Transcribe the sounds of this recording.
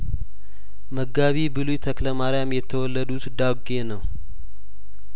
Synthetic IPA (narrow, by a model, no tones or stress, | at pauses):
məɡaβibɨlujt̪ʰəkləmaɾjamjɛt̪ʰːəwɔlːəd̪ut̪d̪aɡenəw